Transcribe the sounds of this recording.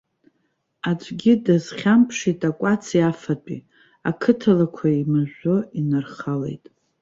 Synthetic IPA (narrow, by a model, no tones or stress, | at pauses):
at͡ʃʷʼɡʲɪdaz̥χʲampʰʂitʼakʷʼat͡sʰjafat͡pʷʼḭ | akʰɨtʰalakʷʰaimaʒʷoinarχale̞̰jtʼ